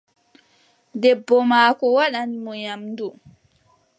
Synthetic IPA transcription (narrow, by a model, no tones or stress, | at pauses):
dɛbːɔmaːkɔwaɗanmɔjamdu